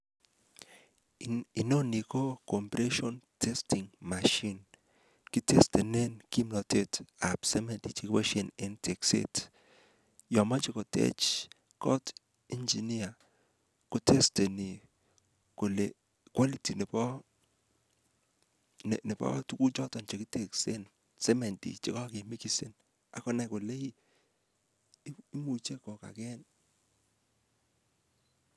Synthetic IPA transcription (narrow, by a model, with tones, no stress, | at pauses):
i˨no˦ni˨kɔ˦ko˨mpɾe˦ʃɔ˦ntʰe˦sti˨ŋma˨ʃi˦n | ki˦te˦ste˨nɛ˦nki˦mnɔ˨te˦ta˨psɛ˦mɛ˨ti˨t͡ʃi˦ka˦ʃe˦nɪ˦nte˨ksḛt | jɔ˨ma˦t͡ʃi˦kɔ˨tḛ˦t͡ʃ | kɔ˦t | i˦nd͡ʒi˨ni˦a˨ | ko˨te˦ste˨ni˨ | ko˨le˨ | kwa˦li˨ti˨nɛ˨pɔ˦ | n˨nɪ˨pɔ̰˦tu˦ku˦t͡ʃɔ˦tɔ˨nt͡ʃe˨ki˦te˨kse˦n | sɛ˦mɛ˨ndḭ˨t͡ʃḛ˨kɔ˦ke˨mi˦ki˦˨se˦n | a̰˨kɔ˦nɛ˨ko˨le˦i˦ | i˦mu˨t͡ʃe˦kɔ˨ka̰˨kɛ˦n